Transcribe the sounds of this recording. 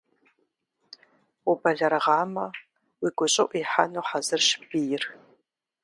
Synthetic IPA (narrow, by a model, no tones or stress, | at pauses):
ʊbɐɮɐɾɐʁɑːmɐ | wiːɡʷʊɕʼɐʔʷiħa̰nuħazɨrʃbijɪr